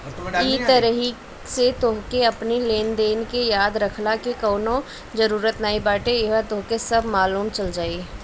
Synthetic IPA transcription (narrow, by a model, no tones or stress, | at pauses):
iːt̪əɾəɦi | set̪oɦkeɐpnileːnd̪eːnkejaːd̪ɾəkʰlakikoːnõ | d͡ʒəɾuːɾət̪naːibaːʈeɪʋat̪oɦkesɐbʱmaːluːmt͡ʃɐld͡ʒaːi